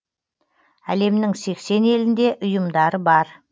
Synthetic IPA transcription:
æle̞mnɪŋse̞kse̞ne̞lɪnd̪e̞ʔʊjəmd̪ɑɾəbɑɾ

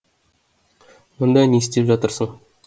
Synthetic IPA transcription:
mŏnd̪ɑnest̪epʒɑt̪əɾsəɴ

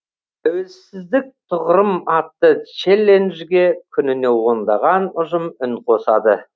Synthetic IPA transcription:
æwezsɪzd̪ɪk̚t̪ʰʊʁɾəmɑt̪ːət͡ʃelʲːe̞nʒɡʲe̞kʲʰʏnɪne̞wo̞nd̪ɑʁɑnʊʒəmʏŋqʰo̞sɑd̪ə

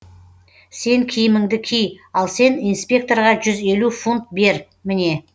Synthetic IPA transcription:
se̞ŋkʲʰɪjɪmɪŋd̪ɪkʲʰijɑlˠse̞nijnspʲe̞k̚t̪o̞rʁɑʒʏze̞lufunt̪̚be̞ɾ | mɪne̞

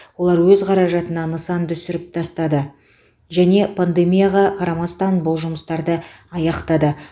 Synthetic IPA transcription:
wo̞lˠɑɾwɵzqʰɑɾɑʒɑt̪ənɑnəsɑnt̪ʏsɪɾɪp̚t̪ʰɑst̪ɑd̪ə | ʒæne̞pʰand̪e̞mʲijaʁɑqʰɑɾɑmɑst̪ɑnbʊlˠʒʊməst̪ɑɾd̪ə | ɑjɑqt̪ɑd̪ə

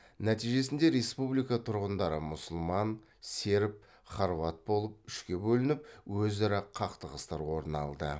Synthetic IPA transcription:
næt̪ijʒe̞sɪnd̪e̞ɾe̞spublijkɑt̪ʰʊɾʁənd̪ɑɾəmʊsʊlˠmɑn | se̞ɾɪp̚ | χɑɾvɑt̪̚bo̞lˠəp̚ʏʃkʲe̞bɵlɪnɪpwɵzɪɾɪqʰɑqt̪əʁəst̪ɑɾwo̞ɾnɑ̰lˠd̪ə

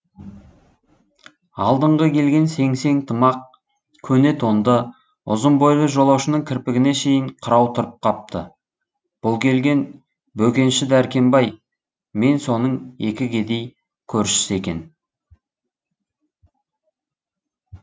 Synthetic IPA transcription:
ɑ̰lˠd̪əɴʁəkʲʰe̞lɡʲe̞nse̞ŋse̞ŋt̪ʰəmɑq̚ | kʲʰɵne̞t̪ond̪ə | ʊ̰zəmbojlˠəʒo̞lˠɑwʃənəŋkʲʰɪɾpɪɡʲɪne̞ʃe̞jɪɴqʰəɾɑwt̪ʰʊɾəp̚qʰɑp̚t̪ə̰ | b̥ʊlˠkʲʰe̞lɡʲe̞n | bɵkʲe̞nʃɪd̪æɾkʲe̞mbɑj | me̞nso̞nəɴe̞kʲɪɡʲe̞d̪e̞j | kʲʰɵɾʃɪ̥sɪe̞kʲe̞n

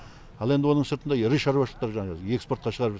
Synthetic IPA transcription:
ɑlˠend̪ɪwo̞nəɴsəɾt̪ənd̪ɑjɾiʃɑɾwɑʃlˠəqt̪ɑɾʒɑɴɑʒɑze̞kspo̞ɾt̪qɑʃəʁɑɾəpʒ

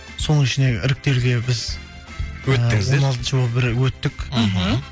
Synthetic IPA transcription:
so̞nəɪʃɪne̞ɪ̰ɾɪk̚t̪e̞ɾɡʲe̞bɪz | wɵt̪ːɪŋɪzwonɑlˠt̪əʃəbbɪɾwɵt̪ːɪk̩ʲɦ

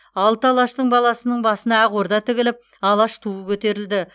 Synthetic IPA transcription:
ɑlˠt̪ɑlˠɑʃt̪əɴbɑlˠɑsənəɴbɑsənɑæʁoɾd̪ɑt̪ʰɪɡʲɪlɪp̚ | ɑlˠɑʃt̪ʰuəkʲʰɵt̪e̞ɾɪld̪ɪ

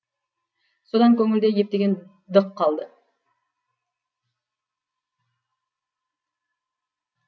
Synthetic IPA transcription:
sod̪ɑŋkʲʰɵŋɪld̪e̞je̞p̚t̪e̞ɡʲe̞n | d̪əqʰːɑlˠd̪ə

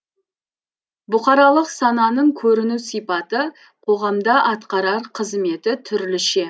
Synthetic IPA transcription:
bʊqɑɾɑlˠəqsɑnɑnəɴkʲʰɵɾɪnusijpɑt̪ə | qʰo̞ʁɑmd̪ɑʔɑt̪qɑɾɑɾqʰəzme̞t̪ɪt̪ʰʏɾlɪʃe̞

